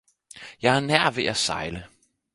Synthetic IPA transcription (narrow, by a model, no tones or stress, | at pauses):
jɑ̈ɪæɐnæɐ̰ʋe̝ʔæsɑ̈ɪlə